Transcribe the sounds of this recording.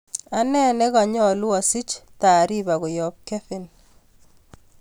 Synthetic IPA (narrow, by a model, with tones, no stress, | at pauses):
a˦nɛ˦nɛ˦ɣa˨ɲɔ˦lʊ˦a˨si˦t͡ʃt̪a˨ɾi˦ba˨ɣɔ˨jɔ˨p̚kɛ˦fɪ˨n